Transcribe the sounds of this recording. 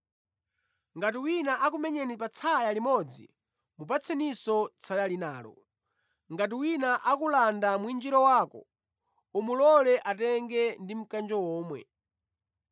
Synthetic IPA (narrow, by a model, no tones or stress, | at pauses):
ŋɡat̬iwinaʔak̬umɛɲɛnipat͡sʰajalimɔd͡zḭ | mupat͡sʰɛnisɔt͡sʰajalinaːlɔ̰ | ŋɡat̬iwinaʔakulandamwind͡ʒiɾɔwaːkɔ̰ | umulɔlɛʔatɛŋɡɛndim̩kand͡ʒɔwɔːmwɛ̰